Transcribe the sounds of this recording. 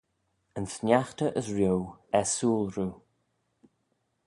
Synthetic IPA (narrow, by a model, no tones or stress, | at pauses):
ənsnjaxtəʔəzɹjowɛsuːlˠɹuː